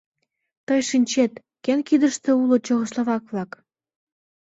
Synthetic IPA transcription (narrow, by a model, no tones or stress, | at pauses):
t̪ɤjʃinʲt͡ɕet̪ | kenkid̪əʃt̪ĕulŏt͡ɕoɣə̆sloβɑkβlɑk